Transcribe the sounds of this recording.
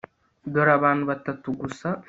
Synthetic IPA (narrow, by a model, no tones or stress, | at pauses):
d̪ɔɾɐbaːnbɐt̪ːɐt̪ːuɡʊsːɐ